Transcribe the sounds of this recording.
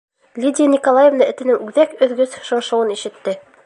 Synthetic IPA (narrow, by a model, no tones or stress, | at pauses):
lʲidʲɪənʲikolˠajĕvnɤɘ̆t̪ɘ̆nɘŋʉðækɵ̆ðɡɵzʃŏɴʃŏwɤniʃɘ̆t̪ːɘ